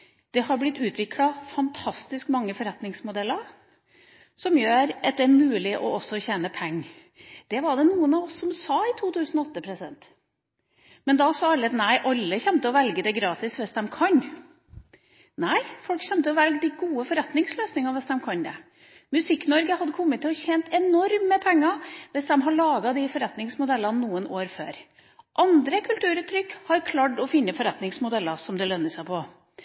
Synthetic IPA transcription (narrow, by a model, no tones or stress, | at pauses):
d̪̥ɛhɑɾblɪt̪ːʉːt̪ʰʋɪklɑfɑnt̪ʰɑst̪ɪskmɑŋːəfɔɾɛt̪nɪŋsmʊd̪ɛlːəɾ | sɔmjøːɾɑt̪̚d̪ɛæɾmʉːlɪʔɔɔsːɔçeːnəpʰɛŋː | d̪̥ɛʋɑɖɛnuːənɑʋɔsːɔmsɑːɪt̪ʰuːt̪ʰʉːsn̩ɔɔt̪ːəpʰɾɛsɪd̪ɛnt̪ | mɛnd̪ɑsɑːɑlət̪næɪʔɑlːəçɛnt̪əɔʋɛlɡəd̪ɛɡɾɑːt̪ɪsʋɛstd̪ɛmkʰɑɲ | næɪfɔlkçɛmt̪əɔʋɛlɡəd̪ɪɡuːəfɔɾɛt̪nɪŋsløːsnɪŋɑnʋɛsd̪ɛmkʰɑnd̪ɛ̰ | mʉsɪkːnɔɾɡəhɑd̪ːəkʰɔmːət̪ːɪɔçɛːnt̪ɛnɔɾməpʰɛŋːɑʋɛsd̪ɛmɦɑɭɑːɡɑd̪ɪfɔɾɛt̪nɪŋsmʊd̪ɛlːɑnnuːənoːɾfø̰ːɾ | ʔɑnd̪ɾəkʰʉlt̪ʉːɾʉt̪ʰɾʏkːhɑɾkʰlɑːʈɔfɪnːəfɔɾɛt̪nɪŋsmʊd̪ɛlːɑsɔmd̪ɛlœnːəsæɪpʰɔ